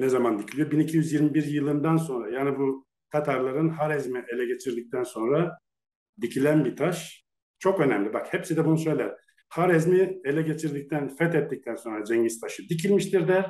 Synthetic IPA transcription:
nɛzamand̪icʰilʲijobinicʰijyzjiɾmibiɾjɯlˠɯnd̪anso̞nɾajaːnibu | t̪ʰat̪ʰaɾlˠaɾɯnɦaɾɛzmiʔelʲɛɟe̞t͡ʃʰiɾd̪ic̚t̪ʰænso̞nɾa | d̪icʰilʲænbit̪ʰaʃ | t͡ʃʰo̞kø̞næmlʲibakhɛpsid̪ɛbunusø̞jlʲɛ | haɾɛzmielʲɛɟe̞t͡ʃʰiɾd̪ic̚t̪ʰænfɛt̪ɛt̪ːic̚t̪ʰænso̞nɾad͡ʒɛɲɟist̪ʰaʃɯd̪icʰilʲmiʃt̪ʰiɾd̪ɛ

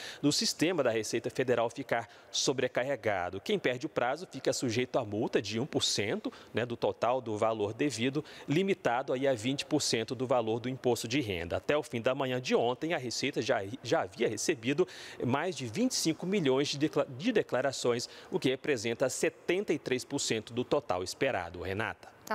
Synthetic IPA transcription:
d̪ʊsist̪ẽmɐd̪ɐhesejt̪ɐfed̪eɾawfikaɾ | sobɾekaheɡa̰d̪ʊkẽj̃pɛɾd͡ʒɪʊpɾazʊfikɐsuʒejt̪ʊamuwt̪ɐd͡ʒɪũpʊɾsẽnt̪ʊnɛd̪ʊt̪ot̪awd̪ʊvaloɾd̪evid̪ʊlimit̪ad̪ʊaiavĩnt͡ʃɪ̥pʊɾsẽnt̪ʊd̪ʊvaloɾd̪ʊĩpost̪ʊd͡ʒɪɦḛ̃nd̪ɐat̪ɛʊfĩd̪ɐmɐ̃ɲɐ̃d͡ʒɪõnt̪ẽj̃ɐɦesejt̪ɐʒaʒaaviɐhesebid̪ʊmajzd͡ʒɪvĩt͡ʃɪ̥sĩkʊmiʎõj̃zd͡ʒd͡ʒɪd̪eklaɾasõj̃sʊkɪhepɾezẽnt̪ɐset̪ẽnt̪ɐit̪ɾejspʊɾsẽnt̪ʊd̪ʊt̪ot̪a̰wispeɾa̰d̪ʊhena̰t̪ɐ̥

